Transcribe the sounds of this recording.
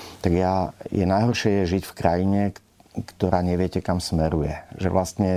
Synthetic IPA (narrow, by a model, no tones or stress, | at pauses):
t̪aɡjajɛ̰najɦɔrʃɪɛjɛʒicfkɾajiɲɛ | kt̪ɔɾaːɲɛʋɪɛcɛkamsmɛɾujɛʒɛ̰ʋlast̪ɲɛ